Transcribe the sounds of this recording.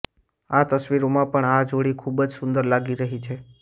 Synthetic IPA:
at̪əsʋiɾomãpəɳad͡ʒoɽikʰubəd͡ʒsʊnd̪əɾlaɡiɾəɦit͡ʃʰe

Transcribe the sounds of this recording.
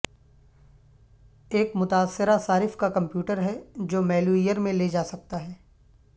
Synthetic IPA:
eːkmʊt̪aːsːɪɾasaːɾɪfkakɐ̃mpjuːʈəɾɦɛd͡ʒoːmɛːluijəɾmẽled͡ʒaːsɐk̚t̪aɦɛː

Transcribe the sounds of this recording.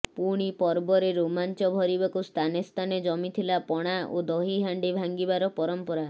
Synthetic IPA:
puɽ̃ipɔɾbɔɾeɾomant͡ʃɔbʱɔɾibakust̪ʰanest̪ʰaned͡ʒɔmit̪ʰilapɔɽ̃aod̪ɔɦiɦaɳɖibʱaŋɡibaɾɔpɔɾɔmpɔɾa

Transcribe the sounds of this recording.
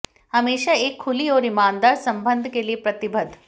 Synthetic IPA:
hɐmeːʃaeːkʰːʊliɔːɾɪmãːnd̪aːɾsɐ̃mbə̃nd̪ʱkeliepɾɐt̪ɪbʱəd̪ʱ

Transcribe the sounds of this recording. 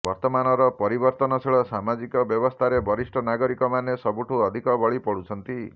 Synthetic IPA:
bɔɾt̪ɔmanɔɾɔpɔɾibɔɾt̪ɔnɔseɭɔsamad͡ʒikɔbjɔbɔst̪ʰaɾebɔɾisʈʰɔnaɡɔɾikɔmanesɔbuʈʰuɔd̪ʱikɔbɔɭipɔɽut͡ʃʰɔnt̪i

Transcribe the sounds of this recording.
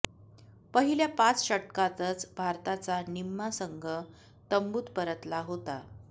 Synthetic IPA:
pəɦiljapat͡sɕəʈkat̪ət͡sbʱaɾt̪at͡sanimːasəŋɡʱə | t̪əmbuːt̪pəɾət̪laɦot̪a

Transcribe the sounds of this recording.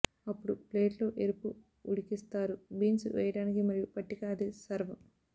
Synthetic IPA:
ɐpːuɽupleːʈlo̞ːʔeɾupu | uɽikist̪aːɾubiːnsʋʔɛ̰ːjɐʈaːnikimɐɾijupɐʈːikaɐd̪isɐɾʋɐ

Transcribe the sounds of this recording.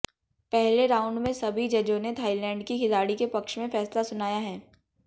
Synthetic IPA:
pɛɦleɾaːʊ̃ɳɖmẽsɐbʱid͡ʒɐd͡ʒõnet̪ʰaːɪlɛ̃ːɳɖkiɦɪlaːɽikepɐkʃmẽfɛːslasʊnaːjaɦɛː

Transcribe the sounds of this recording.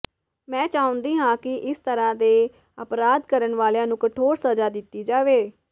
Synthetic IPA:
mɛ̃ːt͡ʃaːʊ̃nd̪iːɦãːkɪʔɪst̪əɾãːd̪eː | əpɾaːd̪kəɾəɳʋaːljãːnũːkəʈʰoːɾsəzaːd̪ɪt̪ːiːd͡ʒaːʋeː

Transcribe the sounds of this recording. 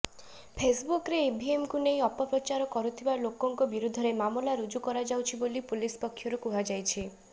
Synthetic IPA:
pʰesbukɾeebʱiemkunej̃ɔpɔpɾɔt͡ʃaɾɔkɔɾut̪ʰibalokɔŋkɔbiɾud̪ʱːɔɾemamɔlaɾud͡ʒukɔɾad͡ʒawt͡ʃʰibolipulispɔkʰːjɔɾukuɦad͡ʒajt͡ʃʰi

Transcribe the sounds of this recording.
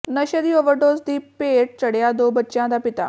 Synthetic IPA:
nəɕəd̪iːoʋəɾɖod͡zd̪iːppeʈ̚t͡ɕəɽjad̪obətːt͡ɕjãd̪apit̪a̰

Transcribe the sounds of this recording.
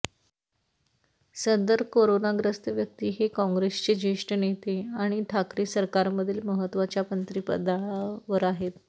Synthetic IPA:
sənd̪əɾkoɾonaɡɾəst̪ʋjək̚t̪iːɦekɔ̃ŋɡɾest͡ɕed͡ʑeʂʈənet̪eaɽ̃iʈʰakɾiːsəɾkaɾməd̪ʱiːlməɦət̪ːʋat͡ɕjapənt̪ɾipə̰d̪aɭaʋəɾaɦet̪

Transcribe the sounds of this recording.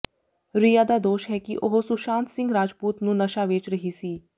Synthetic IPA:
ɾijaːd̪aːd̪oːʃɦɛːkiʔoɦosʊʃãːnt̪sɪ̃ŋɡɾaːd͡ʒpuːt̪nũːnəʃaːʋeːt͡ʃɾəɦiːsiː

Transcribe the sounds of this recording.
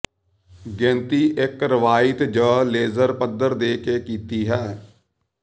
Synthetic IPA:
ɡɛ̃ːnt̪iːʔɪkɾəʋaːɪt̪d͡ʒəːleːzəɾpəd̪əɾd̪eːkeːkiːt̪iːɦɛː

